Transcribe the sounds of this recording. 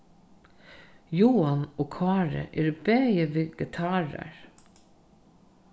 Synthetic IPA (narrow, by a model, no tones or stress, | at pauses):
juːanoːkʰɑːɹə̰ʔeːɾbeːjəʋɪɡɪt̪ʰaːɹa̰ɹ